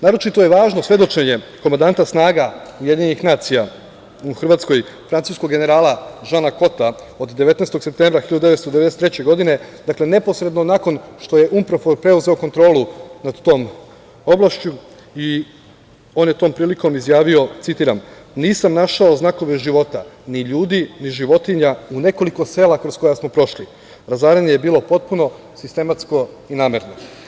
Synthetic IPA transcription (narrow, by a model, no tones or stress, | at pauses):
naːɾo̞t͡ʃit̪o̞jeʋaːʒno̞sje̞d̪o̞t͡ʃe̞ɲe̞ko̞mand̪ant̪asnaːɡaujed̪iɲenixnaːt̪sija | uxrʋaːt̪sko̞jfɾant̪uːsko̞ɡe̞ne̞ɾaːlaʒanako̞t̪a | o̞d̪d̪e̞ʋe̞t̪nest̪oɡse̞p̚t̪e̞mbɾaxiʎad̪d̪eest̪od̪ee̞eset̪ɾet͡ɕe̞ɡo̞d̪ine̞d̪akle̞ne̞po̞sɾe̞d̪nonako̞nʃt̪o̞je̞ʔumpɾofoɾpɾe̞uze̞oko̞nt̪ɾo̞ːlˠunad̪t̪o̞ːm | o̞blˠaʃt͡ɕu | i | o̞ːnjet̪oːmpɾiːliko̞mizjaːʋio̞t̪sit̪iːɾamniːsamnaʃaoznako̞ʋe̞ʒiʋo̞t̪aniʎuːd̪iniʒiʋo̞t̪iɲaune̞ko̞liko̞se̞ːlakɾo̞sko̞jasmo̞pɾo̞ʃli | ɾazaːɾeɲejebiːlo̞po̞t̪̚puno̞ | sist̪e̞mat̪sko̞ | inaːmeɾno